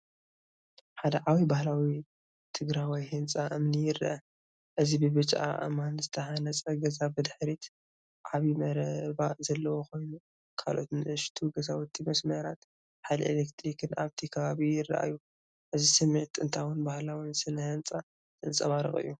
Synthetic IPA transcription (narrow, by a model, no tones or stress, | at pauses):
ħad̪ɐʕawibahlawi | t̪ʰɨɡɾajwijhɨnt͡sʼaʔɨmnijɪra̰ʔɐ | ʔɨzibɨβɨt͡ʃʼa̰ʔɨ̰manzɨt̪ʰɐhanɐt͡sʼɐɡɐzabɨd̪ħɾit̪ | ʕaβimɐɾɐbazɐlːɐwoko̞jnu | kʰa̰lʔo̞t̪nɨʔɨʃt̪ʰuɡɐzawt̪ʰːimɐsmɐɾat̪ | ħajlɐʔḛlekt̪ʰɾikʰɨna̰βt̪ʰikʰɐβaβijɪrːa̰ʔa̰jːu | ʔɨzisɨmːet̪ɨnt̪ʰawɨnbahlawɨnsɨnhɨnt͡sʼa | t̪ɨnsʼɐβaɾɨ̰χʼɨ̰jːu